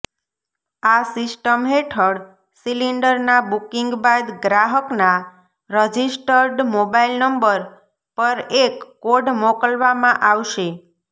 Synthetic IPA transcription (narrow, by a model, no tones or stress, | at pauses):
asisʈəmɦeʈʰəɽ | siliɳɖəɾnabukiŋɡbad̪ɡɾaɦəkna | ɾəd͡ʒisʈəɾɖmobailnəmbəɾ | pəɾekːoɖmokəlʋamãʔaʋʃe